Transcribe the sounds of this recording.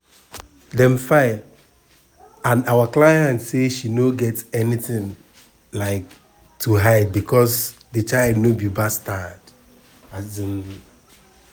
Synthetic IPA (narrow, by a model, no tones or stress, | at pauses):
dɛ̃mfaɪ | ãnawaklaɪjãntseʃinoɡɛtɛniθɪ̃ŋ | laɪk̚ | tʰuɦaɪbikʰɔsdət͡ʃaɪldnobibastad | aĩn